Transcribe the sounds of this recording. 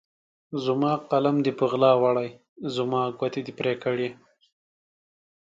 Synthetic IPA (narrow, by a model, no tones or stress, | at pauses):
zʊmɑqalamd̪ipəɣlɑːwaɽaj | zʊmɑːɡwat̪ed̪ipɾekəɽje